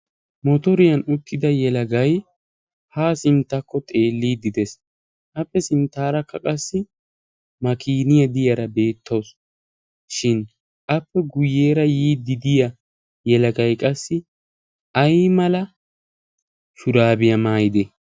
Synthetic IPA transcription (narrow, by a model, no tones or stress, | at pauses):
mɔt̪ɔɾɪjɐnʊt̪ːɪd̪ɐjɛlɐɡɐj | haːsɪnt̪ːɐkːɔt̪ʼe̞ːlːiːd̪ɪd̪ɛs | ʔɐpːɛsɪnt̪ːaːɾɐkːɐkʼɐsːɪ | mɐkʰiːnɪjɐd̪ɪjɐɾɐbe̞ːt̪ʰːɐws | ʃɪn | ʔɐpːɛɡʊjːeːɾɐjiːd̪ɪd̪ɪjɐ | jɛlɐɡɐjkʼɐsːɪ | ɐjmɐlɐ | ʃʊɾaːbɪjɐmaːjɪd̪ɛ